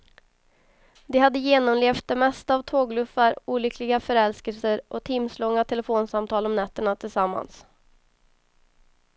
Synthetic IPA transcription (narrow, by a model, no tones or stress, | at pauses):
d̪ɛhad̪ːəjeːnɔmleːft̪̚d̪ɛmɛst̪aːvt̪ʰoːɡlɵfːaɾuːlʏkʰlɪɡafœɾɛlskəlsəɾʔɔt̪ʰɪmslɔŋːat̪ʰɛlɛfoːnsamt̪ʰɑːlɔmnɛt̪ːəɳat̪ʰɪlsamːa̰ns